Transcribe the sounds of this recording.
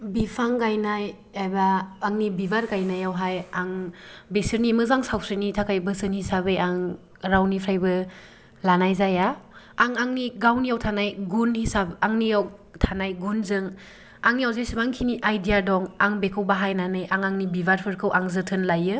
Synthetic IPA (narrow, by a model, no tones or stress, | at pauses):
bipʰaŋɡajnaj | ajbaːŋnibibaɾɡajnajawɦajaŋbesɯɾnimɯzaŋsawsɯnitʰakʰajbɯsɯŋhisabɯjaŋ | ɾawnipʰɾajbɯ | lanajzajaː | ŋaŋniɡawnijawtʰanajɡunhisabaŋniawtʰanajɡunzɯŋ | aŋniawzajsimaŋkʰiniʔajdijadɔŋaŋbekʰɯwbaɦajnanɯjʔaŋaŋnibibaɾpʰɯɾkʰɯwʔaŋzɯtʰɯnlajɯ